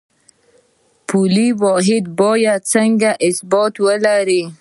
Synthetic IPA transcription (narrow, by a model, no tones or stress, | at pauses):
pʰuliwoɦɪd̪̚bojat͡səŋɡaʔɪsboːt̪wəlaɾi